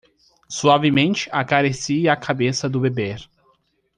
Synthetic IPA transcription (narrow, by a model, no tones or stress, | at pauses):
suavɪmẽnt͡ʃɪ̥ʔakaɾesiɐakʰabesɐd̪ʊbebeɾ